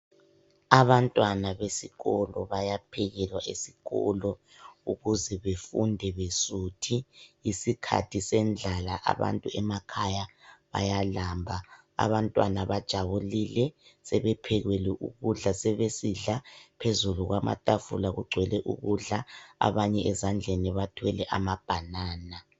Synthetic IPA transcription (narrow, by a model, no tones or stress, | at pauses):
aβantʼwanaβesiɣɔlɔβajapʰɛɣɛlwaʔesiɣɔ̰lɔ | uɣuzɛβefundʱɛβesuːtʰiːsikʰa̰tʰisɛnd͡ɮʱalaʔa̰βa̰ntʼuɛmakʰajaβa̰jalaːmbʱa | a̰βantʼwa̰naβad̥ʒ̥ʱaβulilɛsɛβɛpʰɛɣwɛlɛʔṵɣuɮasɛβesiɮapʰezuluɣwama̰tʼafṵlaɣuɡ͡ǀʱwɛlɛʔṵɣuɮaa̰βaɲɛʔɛzand͡ɮʱeniβatʰwɛlɛʔamab̥ʱanaːna